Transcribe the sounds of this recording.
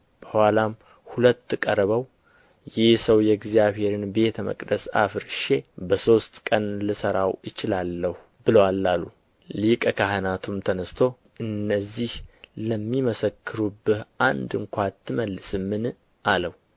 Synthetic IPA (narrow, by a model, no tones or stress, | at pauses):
b̥əhalam | hulət̪ːkʼəɾβəw | jɪhsəwjɛɡzjaβhe̞ɾɨnbe̞t̪ʰəmə̰kʼd̪əsa̰fɨɾʃe̞bəso̞st̪kʼənləsəɾawɨt͡ʃɪlalːəhu | bɨləwalːalːu | likʼəkʰaɦənat̪ʰumt̪ʰənəst̪ʰo̞ | ʔɨnːəzːihləmːiməsəkʰːɨɾubːɨhʔand̪ɨŋkʷat̪ʰːɨməlːɨsɨmːɨn | ʔaləhu